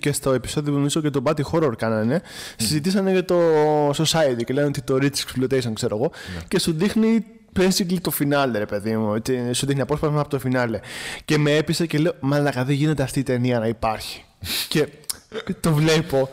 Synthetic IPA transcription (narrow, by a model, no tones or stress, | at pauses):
ce̞st̪o̞e̞pi̥so̞ðioomizo̞cet̪obɐt̪ixo̞ɾoɾkɐnɐne̞sizit̪isɐnecɐt̪o̞sosɐit̪iceleanot̪it̪o̞ɾit͡sseksplot̪ejsonkse̞ɾo̞ɣo̞ce̞suðixni | plensiɡlit̪o̞finɐleɾe̞pe̞ðimuet͡sisuðixniɐpo̞spɐsmeɐpot̪ofinɐle̞ce̞meepisece̞leomɐlɐkɐðiʝine̞t̪e̞ɐft̪iːt̪e̞niɐnɐipɐɾçi̥ | ce̞ | t̪o̞vle̞po̞